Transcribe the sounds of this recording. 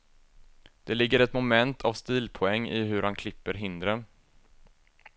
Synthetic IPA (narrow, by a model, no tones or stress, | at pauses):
d̪̥ɛlɪɡːəɾɛt̪mʊmɛnt̪ʰavst̪iːlpʰʊɛŋːɪ̰ɦɵɾhankʰlɪpːəɾɦɪnd̪ɾə